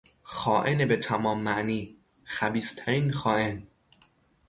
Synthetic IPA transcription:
xɒːʔenebet̪ʰæmɒːmːæʔniː | xæbiːst̪ʰæɾiːnxɒːʔe̞n

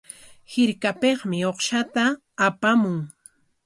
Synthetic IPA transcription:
hɪɾkapeχmɪoχʃat̪aː | pamʊŋ

